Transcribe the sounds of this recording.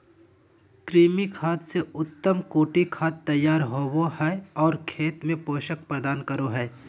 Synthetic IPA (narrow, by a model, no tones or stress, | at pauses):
kɾiːmikʰaːt̪seʊt̪ːəmkoːʈikʰaːt̪ːɐjːaːɾɦoːwohɛːɔːɾkʰeːt̪mẽpoːʃək̚pɾəd̪aːnkɐɾoɦɛː